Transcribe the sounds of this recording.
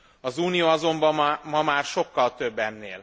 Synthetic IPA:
ɒzuːnijoːɒzo̞mbɒmmɒmaːrʃo̞kːɒlt̪ø̞bːɛnːḛːl

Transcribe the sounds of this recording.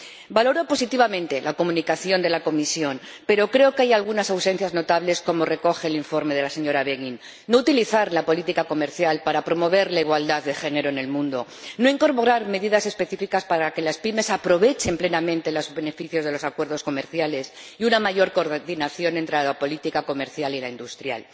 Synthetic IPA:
balo̞ɾopo̞sit̪iβamẽnt̪e̞lako̞mũnikaθjo̞nd̪e̞lako̞misjo̞n | pe̞ɾo̞kɾe̞o̞kajalɣunasawse̞nθjazno̞t̪aβle̞sko̞mo̞re̞ko̞xe̞ːliɱfo̞ɾme̞ð̞e̞lase̞ɲo̞ɾaβeɣinː | o̞ut̪iliθaɾlapo̞lit̪ikako̞me̞ɾθjalpaɾapɾo̞mo̞β̞e̞ɾlaiɣ̞wald̪aððe̞xe̞ne̞ɾo̞ene̞lmũnd̪o̞ | no̞iŋko̞ɾpo̞ɾaɾme̞ðiðase̞spe̞θifikaspaɾake̞laspime̞sapɾo̞β̞e̞t͡ʃe̞mple̞namẽnt̪e̞lozβe̞ne̞fiθjo̞zðe̞lo̞sakwe̞ɾðo̞sko̞me̞ɾθjale̞s | iunamaʝo̞ɾko̞ɾðinaθjo̞ne̞nt̪ɾelapo̞lit̪ikako̞me̞ɾθjalilaind̪ust̪ɾja̰l

